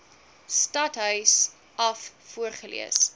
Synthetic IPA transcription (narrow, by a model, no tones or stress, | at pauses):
stɐtɦœɥs | ʔɐfːuərχəlḭəs